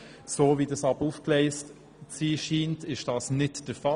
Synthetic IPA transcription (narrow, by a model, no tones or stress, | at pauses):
soːviːdɑsɑb̥əufklɛɪst | t͡siːʃiːntɪʃd̥ɑːsnɪtd̥əfɑ